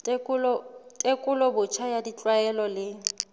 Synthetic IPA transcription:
tkʊlɔtʼekʼʊlɔbʊt͡ʃʰajadit͡ɬʼwaɛlɔlɪ

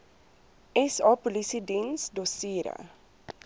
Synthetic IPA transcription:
ɛsɑːpolisidinsdosiːɾə̰

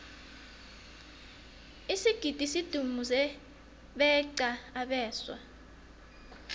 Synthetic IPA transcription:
isiɡ̥ʱid̥ʱisid̥ʱumuzɛ | ɓɛǀaaɓɛːswa̰

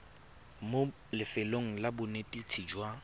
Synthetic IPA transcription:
mo | lɪfɪloŋ̩labʊnetʼit͡sʰiːd͡ʒwa

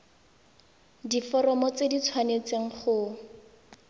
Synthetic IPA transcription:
difɔrɔmɔt͡sedit͡sʰwanet͡seŋ̩χʊ

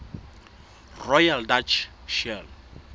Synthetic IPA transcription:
rɔjaldat͡ʃʰʃɛl

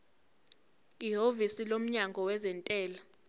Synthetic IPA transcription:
iɦovisilom̩ɲaŋɡʱɔwɛzɛntʼɛːla

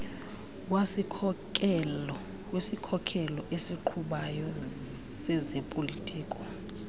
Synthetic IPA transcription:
wasikʼ | wesikʰɔkʰɛlɔʔesiǃʰuɓajɔsɛzepʼolitʼiːkʼɔ̥

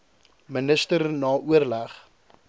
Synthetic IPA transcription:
mənəstərnɑːʔuərlæχ

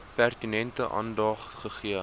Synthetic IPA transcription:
pærtinɛntəʔɑ̰ːndɑːχtχəχiə

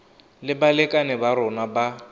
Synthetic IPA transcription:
lɪbalɛkʼanɪbaɾʊnaba

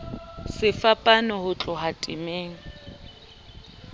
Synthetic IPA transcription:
sɪfapʼanɔhʊt͡ɬʼʊɦatʼɪmeːŋ̩

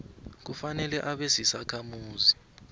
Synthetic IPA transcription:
k̬ufanɛlɛʔaɓesisakʰamuːzi

